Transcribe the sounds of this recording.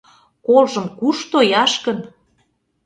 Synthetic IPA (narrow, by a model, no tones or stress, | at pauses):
kolʒə̆mkuʃt̪ojɑʃkən